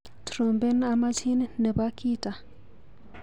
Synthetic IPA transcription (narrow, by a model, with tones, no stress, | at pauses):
tɾo˨mbe˦na˦ma˦t͡ʃʰi˦n˦nə˨ba˦ki˦ta˨